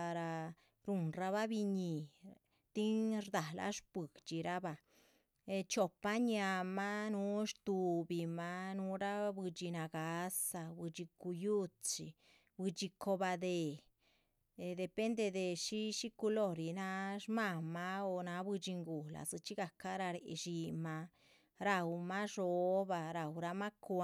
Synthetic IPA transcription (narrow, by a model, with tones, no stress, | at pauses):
a˧ɾa˧ | ɾu˧nɾa˧βa˦bi˧ɲi˨ | t̪i˦nɾd̪a˨lʔa̰˦ʃbɨ˨ɡt͡ʃi˨ɾa˦ba˧˨˧ | t͡ʃo˧pa˦ɲja˧ma˦nu˧˦ʃt̪u˧bi˧ma˧nu˧˦ɾa˦bɨ˧d͡ʒi˧na˧ɡa˨˦sa˧bɨ˧d͡ʒi˧ku˧ju˦t͡sḭ˧˨ | βɨ˧t͡ʃi˧kʰo˧βa˧d̪e˧˨˧ | d̪e˧pe˦nd̪e˧ðe˧ʃi˦ʃi˦ku˧lo˦˧˨ɾi˧nã˧˦ʃmã˧˨mã˧o˧˨nã˨˦βɨ˧t͡ʃi˧ŋɡu˨la̰˨sɨ˧t͡ʃi˦ɣa˧ka˦ɾa˧ɾe˧ʔḛ˧ʃi˧mã˧ | ɾa˧u˧mã˦ʐo˨˦βa˧ɾa˧˨u˧ɾa˧mã˦kʷ